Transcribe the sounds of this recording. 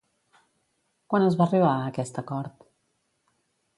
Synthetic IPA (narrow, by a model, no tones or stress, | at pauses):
kwanəzβariβ̞aəkɛst̪əkɔɾt̪